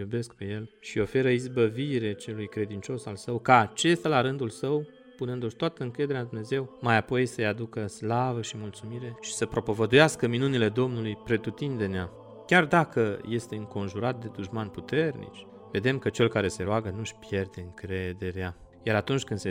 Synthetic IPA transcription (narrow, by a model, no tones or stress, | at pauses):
jube̞sk̚pe̞je̞lʃio̞fe̞ɾəizbəviɾe̞t͡ʃe̞lujkɾe̞d̪int͡ʃo̞salsəwkaːt͡ʃe̞st̪alaɾɨnd̪ulsəw | punɨnd̪oʃt̪oat̪əɨŋkɾe̞d̪e̞ɾead̪umne̞ze̞wmajapo̞jsəjad̪ukəslavəʃimult̪sumiɾe̞ʃi̥səpɾo̞po̞vəd̪ujaskəminunile̞d̪o̞mnulujpɾe̞t̪ut̪ind̪e̞nea | kʲard̪akəje̞st̪e̞ɨŋko̞nʒuɾat̪̚d̪e̞d̪uʒmanput̪e̞rnḭt͡ʃ | ve̞d̪e̞mkət͡ʃe̞lkaɾe̞se̞ɾoaɡənuʃʲpje̞rd̪e̞ɨŋkɾe̞d̪e̞ɾea | jaɾat̪unt͡ʃʲkɨnse